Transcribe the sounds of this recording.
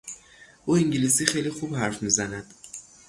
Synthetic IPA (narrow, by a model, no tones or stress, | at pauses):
ʔuːiŋɟilisiːxejlixubhæɾfmiːzænæd̪̥